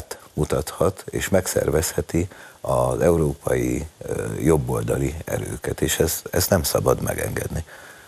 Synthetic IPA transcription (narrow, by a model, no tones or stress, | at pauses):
t̪mut̪ɒt̪hɒt̪eːʃmɛksɛ̰rvɛshɛt̪iɒzɛuɾoːpɒji | jo̞bːo̞ld̪ɒliɛ̰ɾøːkɛt̪eːʃɛzɛst̪nɛmsɒbɒd̪mɛɡɛ̰ŋɡɛd̪ni